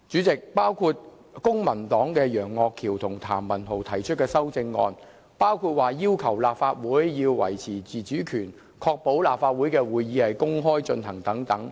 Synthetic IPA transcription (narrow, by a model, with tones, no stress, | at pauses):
t͡ʃyː˨˥t͡sɪ˨k̚paː˥wkʰuː˧t̚ | kʊ˥ŋmɐ˨˩nt̪ɔː˨˥ŋkɛː˧jœː˨˩ŋːɔː˧kʰiː˨˩wt̪ʰʊ˨˩ŋt̪ʰaː˨˩mːɐ˨˩nt̪ʰo˨˩wt̪ʰɐ˨˩jt͡ʃʰt̚kɛː˧sɐ˥wt͡sɪ˧ŋːɔ̰ː˧n | paː˥wkʰuː˧t̚waː˨jiː˥wkʰɐ˨˩wlaː˨˩p̚faː˧t̚wuː˨˥jjiː˧wwɐ̰˨˩jt͡sʰiː˨˩t͡siː˨t͡syː˨˥kʰyː˨˩n | kʰɔː˧k̚po˨˥wlaː˨˩p̚faː˧t̚wu˨˥jkɛː˧wuː˨jːiː˨˧hɐ˨jkʊ˥ŋɦɔː˥jt͡ʃɵ˧nhɐ˨˩ŋt̪ɐ˨˥ŋt̪ɐ˨˥ŋ